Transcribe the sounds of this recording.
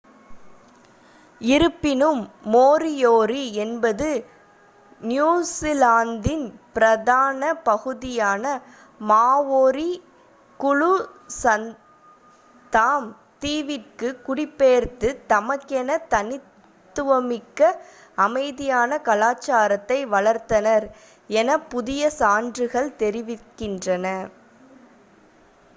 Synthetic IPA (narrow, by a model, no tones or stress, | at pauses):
ɪɾɯpːɪnɯmːoːɾɪjoːɾiɛnbɐðɯ | njuːsɪlaːnd̪ɪnpɪɾɐðaːnɐpɐɣɯðɪjaːnɐ | maːʋoːɾi | kʊɻʊsɐn | d̪aːm | t̪iːʋɪʈkɯkʊɽɪpːeːɾt̪ɯt̪ɐmɐkːɛnɐt̪ɐnɪt̪ː | ɯʋɐmɪkːɐ | ɐmɐɪðɪjaːnɐkɐlaːt͡ʃːaːɾɐt̪ːɐɪʋɐɭɐɾt̪ːɐnɐɾ | ɛnɐpʊðɪjɐsaːndrɯɣɐɭt̪ɛɾɪʋɪkːɪndrɐnɐ